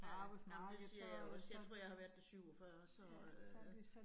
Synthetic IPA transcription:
ænæmnd̥esiɐjaɒsjɑ̈ɪt͡sʰʁo̝ɐ̰jɑ̈ɪhɑ̈ʋæɐd̥ːesyʊ̰ɒfɶːɐsɒ

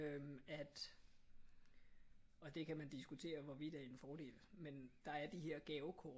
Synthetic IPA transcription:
øæd̥ | ɒ̽d̥e̝kʰæmænd̥isɡ̥ut͡sʰe̝̰ːɐʋɒʋid̥æɐe̝nfɒːd̥e̝̰ːlmend̥ɑ̈æɐd̥iɦeɐ̰ɡ̥ɛʊkʰɔː

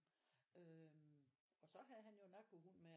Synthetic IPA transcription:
ø | ɒ̽sɒ̽ɦæðˠɦænjo̝nɑɡ̥ʋoɦunme

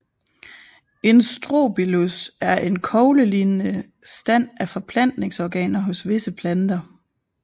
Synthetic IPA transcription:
e̝nsd̥ʁo̰ːb̥ilusæɐʔe̝nkʰɒʊləliːnə | sd̥æn̰æfɒ̽pʰlæn̰d̥ne̝ŋsɒɡ̥ɛ̰ːnɐɦɔ̽sʋe̝səpʰlænd̥ɐ

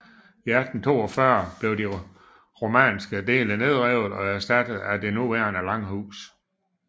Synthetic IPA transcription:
iæd̥n̩t͡sʰo̝̰ːɒfɶɐb̥le̝ʊdi | ʁo̝mɛ̰nsɡ̥əd̥e̝̰ːləne̝ð̞̰ˠʁɛʊ̰ð̩ˠɒ̽æɐsd̥æd̥əð̩ˠæd̥e̝nuʋæːɐnəlɑ̈ŋ̰ɦṵːs

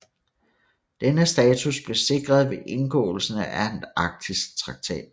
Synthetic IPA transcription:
d̥enəsd̥ɛːt͡sʰusb̥le̝se̝ɡ̥ʁɐð̞ˠʋe̝ʔe̝nɡ̥ɔ̰̽ːl̩sn̩æendɑ̈ɡ̥̚d̥isɡ̥̚t͡sʰʁɑ̈ɡ̥̚t͡sʰɛ̰ːd̥

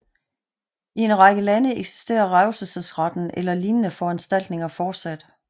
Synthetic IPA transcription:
ie̝nʁɑ̈ɡ̥əlænəeɡ̥si̥sd̥e̝̰ːɐʁaʊsəsəsʁɑ̈d̥n̩ʔelɐliːnənəfɒænsd̥æl̰d̥ne̝ŋɐfɒːd̥sæd̥

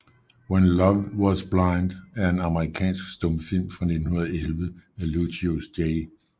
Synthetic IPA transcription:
wenlɒʋwɒsb̥lɑ̈ɪnd̥æɐe̝nɑ̈məʁikʰɛ̰ːnsɡ̥sd̥ɔ̽mfil̰mfʁɑne̝d̥n̩hunɐðˠelʋəæluɕiosd̥eɪ

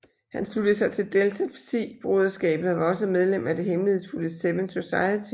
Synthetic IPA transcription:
hænslud̥əðsɑ̈ɪt͡sʰe̝ld̥elt͡sʰæfsḭːb̥ʁoðˠɐsɡ̥ɛ̰ːb̥ðn̩ˠʋɑ̈ɒ̽səmeð̞ˠlem̰æd̥e̝ɦemlihe̝ðˠsfuləseʋənso̝sɑ̈ɪət͡sʰi

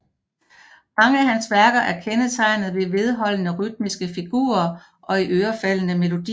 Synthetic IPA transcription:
mɑ̈ŋəæhænsʋæɐɡ̥ɐʔæɐkʰenət͡sʰɑ̈ɪnð̞̩ˠʋe̝ʋe̝ð̞ˠɦɒ̽l̰ənəʁyd̥̚misɡ̥əfiɡ̥ṵːɐ | ʔɒ̽iʔøːɐfæl̰ənəme̝lo̝d̥i

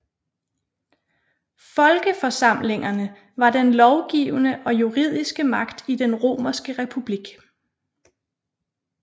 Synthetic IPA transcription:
fɒ̽lɡ̥əfɒ̽sɑ̈m̰le̝ŋɐnə | ʋɑ̈d̥enlɒʊɡ̥ḭːʊnəʔɒ̽juʁið̞̰ˠisɡ̥əmɑ̈ɡ̥d̥id̥enʁo̝̰ːmɐsɡ̥əʁɛpʰub̥liɡ̥

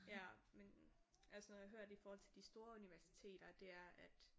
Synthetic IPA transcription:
jæmen | ʔælsənɔjɑ̈ɦøɐ̰d̥ifɒːhɒl̰t͡sʰe̝ld̥isd̥o̝ːɐuniʋæɐsi̥t͡sʰe̝̰ːd̥ɐd̥e̝æɐʔæd̥

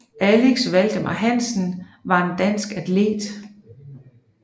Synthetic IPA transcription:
ʔæleɡ̥sʋæl̰d̥əmʔɑ̰ɦæn̰sn̩ʋɑ̈e̝nd̥æn̰sɡ̥æd̥ʰle̝̰ːd̥

